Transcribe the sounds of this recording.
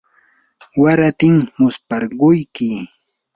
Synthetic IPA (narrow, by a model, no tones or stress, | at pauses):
waɾat̪ɪŋmʊspaɾɢʊjkɪ